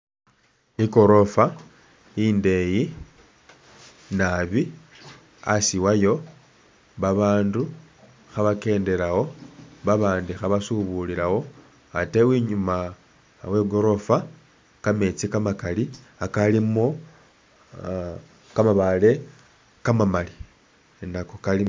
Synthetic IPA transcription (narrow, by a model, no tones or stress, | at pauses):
iko̞ɾo̞fa | inde̞ji | naβi | asiwajo̞ | βaβaːndu | xaβake̞ːnde̞lawo̞βaβaːndixaβasuβuliɾawo̞ | ate̞wiɲuma | we̞ɡo̞ɾo̞fa | kamet͡sikamakali | akalimo | kamaβale̞ | kamamali | nakokali